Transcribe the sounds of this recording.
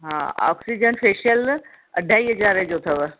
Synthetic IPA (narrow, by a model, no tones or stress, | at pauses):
ɦã̰ːa̰ːksid͡ʒənpʰeːʃəl | ɐɖʱːaːiːɦəd͡ʒaːɾɛd͡ʒoːt̪ʰɐʋə